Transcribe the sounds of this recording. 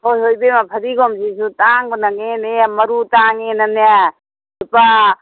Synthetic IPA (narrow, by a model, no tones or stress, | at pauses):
ojɦojbemapʰɐɾiɡɔmd͡ʒisutaŋɡɔnaɡeneamɐɾutaŋenɐna | upa